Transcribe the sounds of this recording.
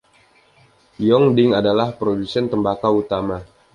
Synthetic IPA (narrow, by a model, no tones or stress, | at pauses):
jɔŋdɪŋadalahpɾodusɛnt̪əmbakaut̪ama